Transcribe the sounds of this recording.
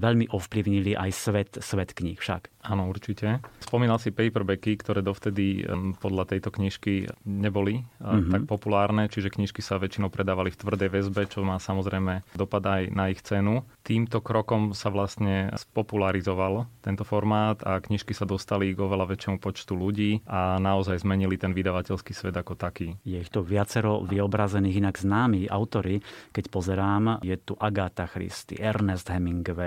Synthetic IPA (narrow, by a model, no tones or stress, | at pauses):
ʋɛʎmiʔɔfpliʊɲiliʔa̰jsʋɛt̪sʋɛt̪kɲixfʃa̰kaːnɔuɾt͡ʃicɛspɔmiːnalsipɛjpɛrbɛkikt̪ɔɾɛːd̪ɔft̪ɛd̪ipɔd̪ʎat̪ɛjt̪ɔkɲiʃkiɲɛbɔlit̪ak̚pɔpulaːɾnɛt͡ʃiʒɛkɲiʃkisaʋɛt͡ʃinɔʊpɾɛd̪aːʋalift̪ʋr̩d̪ɛjʋɛzbɛt͡ʃɔmaːsamɔzɾɛjmɛd̪ɔpad̪ajnaixt͡sɛnut̪iːmt̪ɔkɾɔkɔmsaʋlast̪ɲɛspɔpulaɾizɔʋalt̪ɛnt̪ɔfɔɾmaːt̪akɲiʃkisad̪ɔst̪aliɡɔʋɛlaʋɛt͡ʃjɛmupɔt͡ʃt̪uluɟiːʔanaɔzajzmɛɲilit̪ɛnʋid̪aʋacɛlskiːsʋɛd̪akɔt̪akiːjɛixt̪uʋɪat͡sɛɾɔʋiɔbɾazɛniːɣinaɡznaːmia̰ʊt̪ɔɾikɛcpɔzɛɾaːmjɛt̪uʔaɡat̪axɾḭst̪ḭʔɛɾnɛsd̪ɦɛmiŋɡɔʋɛ